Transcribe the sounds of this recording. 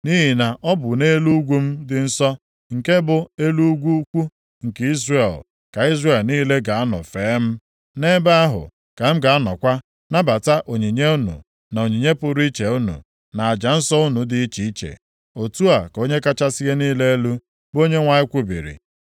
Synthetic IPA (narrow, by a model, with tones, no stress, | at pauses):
ni˦ɦi˨na˨ʔɔ˦bʊ˨ne˦lu˦ɡʷu˦m̩˦dɪ˨n̩˦sɔ˦ | ŋ̩˨ke˦bʊ˨e˦lu˦ɡʷu˦kʷu˦ | ŋ̩˨ke˦i˦zre˦˨l | ka˨i˦zre˦˨lniː˦le˦ɡa˨a˦nɔ̰˨feː˨˦m̩˦ | ne˦ba˦a˦ɦʊ̰˨ | ka˨m̩˦ɡa˨a˦nɔ̰˨kʷa˦ | na˦ba˨ta˦ʔo˨ɲi˨ɲe˦u˦nṵ˨ | na˨o˨ɲi˨ɲe˦pʊ˨ɾi˦t͡ʃe˨u˦nṵ˨ | na˨a˨d͡ʒa˨n̩˦sɔ˦ʊ˦nu˨dɪ˨i˦t͡ʃi˨i˦t͡ʃḛ˨ | o˨tu˦a˨ko˦ɲe˦ka˦t͡ʃa˦si˦ɣe˦niː˦le˦e˦lu˦ | bo˦ɲe˦ŋʷa˨ɲɪ˦kʷu˦bḭ˨ɾḭ˨